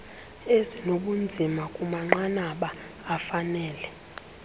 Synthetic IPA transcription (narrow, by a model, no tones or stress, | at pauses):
ezinoɓund͡zʱimakʼumaŋ͡ǃanaɓaː | fanɛːlɛ